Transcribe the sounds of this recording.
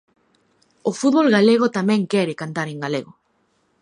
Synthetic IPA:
ofut̪βolɣaleɣ̞ot̪amɛ̃ŋkɛɾɪkant̪aɾeŋɡaleɣo

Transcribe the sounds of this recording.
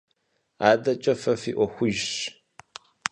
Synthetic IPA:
aːdɐt͡ʃʼɐfɐfiːʔʷɔxʷʊʒɕ

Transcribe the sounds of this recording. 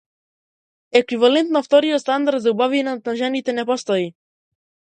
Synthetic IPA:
ɛkvivalɛnt̪naft̪ɔɾiɔt̪st̪and̪aɾd̪zaubavinat̪naʒɛnit̪ɛnɛpɔst̪ɔi

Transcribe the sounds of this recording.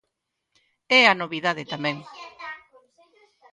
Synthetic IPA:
ɛanoβiðaðet̪amɛ̃ŋ

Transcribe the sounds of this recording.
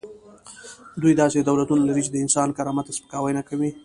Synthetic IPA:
d̪ujd̪ɑsed̪awlat̪unalaɾit͡ʃɪd̪əɪnsɑnkaɾɑmat̪aspə̥kɑwəjnakawi

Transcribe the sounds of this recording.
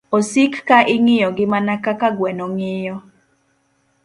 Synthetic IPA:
osikːaʔɪŋɪjɔɡɪmanakakaɡwɛnɔŋɪjɔ

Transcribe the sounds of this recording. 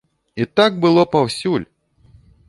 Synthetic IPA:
it̪aɡ̚bɨlˠɔpawsʲulʲ

